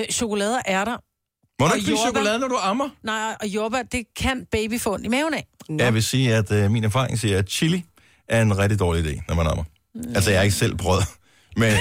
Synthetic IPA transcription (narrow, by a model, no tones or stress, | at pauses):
ɕo̝kolɛːð̞ˠɐʔæɐɾɑ | mɒnɒɡblisokolɛːðˠnɒɾuɑ̈mɐnɑ̈ɪʔɒ̽job̥æd̥e̝kʰænb̥eb̥ifɔ̰̽nimɛːʊnɛjɑ̈ɪʋe̝siːæd̥minæɐfɑ̈ːʁeŋsiːɐæd̥t͡ɕʰili | ʔæɐe̝nʁɛd̥id̥ɒːliid̥e̝̰ːnɒmænɑmɐ | ælsɐjɑe̝ɡ̥əsel̰b̥ʁœð̰ˠɐ | men